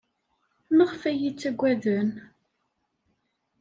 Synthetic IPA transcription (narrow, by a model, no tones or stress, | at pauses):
nəʁfæjit͡sːæɡʷːæðən